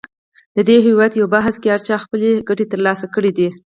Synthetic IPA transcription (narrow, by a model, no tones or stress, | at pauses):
d̪̥əd̪eɦewɑd̪jawbaɦskeaɾt͡ʃɑxpəleɡaʈet̪əɾlɑsakəɽid̪i